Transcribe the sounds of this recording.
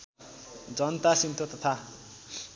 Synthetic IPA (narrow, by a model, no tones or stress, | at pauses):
d͡zʌnt̪asint̪ʰot̪ʌt̪ʰa